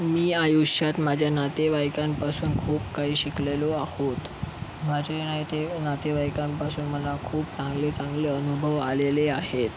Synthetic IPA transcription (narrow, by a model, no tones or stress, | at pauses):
miːajuɕjat̪mad͡ʑʱjanat̪eʋajkampasuːnkʰuːpkaɦiːɕikleloahot̪ | mad͡ʑʱenaɦit̪enat̪eʋajkampasuːnm̤əlakʰuːpt͡sãŋɡlet͡sãŋɡleənubʱəʋaleleahet̪